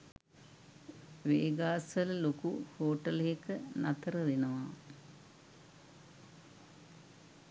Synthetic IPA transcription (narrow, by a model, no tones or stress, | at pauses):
ʋeːɡaːsʋəllokuhoːʈəleekənat̪əɾəʋenəʋa